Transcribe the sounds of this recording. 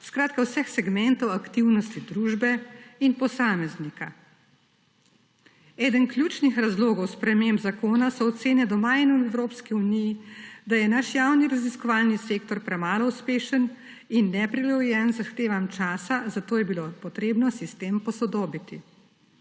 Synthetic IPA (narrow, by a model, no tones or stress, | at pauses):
skɾaːt̪̚kawsɛxsɛɡmɛnt̪ɔwakt̪iwnɔst̪id̪ɾuːʒbɛinpɔsaːmɛznika | ɛːd̪ənklʲjuːt͡ʃnixɾazloːɡɔwspɾɛmembzakoːnasɔːtt̪seːnɛd̪ɔmainwɛwɾoːpskiunijid̪ajɛnaʃjawniɾaziskɔʋaːlniseːk̚t̪ɔɾpɾɛmaːlɔuspeːʃən | inːɛpɾilɔjɛnzaxt̪eːʋamt͡ʃaːsazat̪oːjɛbiloːpɔt̪ɾeːbnɔsist̪eːmpɔsɔd̪oːbit̪i